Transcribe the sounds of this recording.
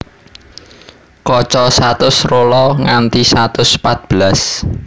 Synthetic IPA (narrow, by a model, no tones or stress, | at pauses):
kɔt͡ʃɔsat̪ʊsrolɔŋant̪isat̪ʊspat̪̚b̥əlas